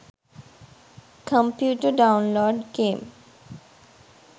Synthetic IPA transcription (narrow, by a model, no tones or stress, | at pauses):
kʰə̃mpjuːʈəɾɖãʊ̃nloːɖɡẽːm